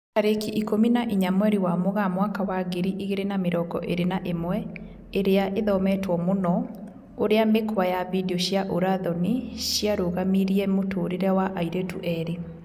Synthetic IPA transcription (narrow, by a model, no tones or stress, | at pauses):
taɾekiʔikominaʔiɲamwɛɾiwamoɣamwakawaɡeɾiʔiɣeɾenameɾɔɡɔ̰ʔeɾenaʔemwɛ | eɾeaʔeðɔmɛtwɔmonɔ | oɾeamekwajavideɔɕjaʔoɾaðɔniɕjaɾoɣamiɾiɛmotoːɾeɾɛwaʔaiɾetuʔɛɾe